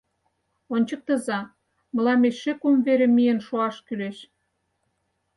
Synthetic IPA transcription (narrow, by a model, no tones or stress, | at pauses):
onʲt͡ɕə̆k̚t̪ə̆zɑ | mə̆lɑmesʃekumveɾĕmijənʃoɑʃkyleʃ